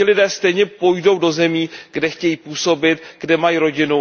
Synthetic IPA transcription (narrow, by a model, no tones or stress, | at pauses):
ɪlɪdɛːst̪ɛjɲɛpo̞jdo̞wdo̞zɛmiːɡdɛxcɛjiːpuːso̞bɪt̪ɡdɛmajiːɾo̞ɟɪnu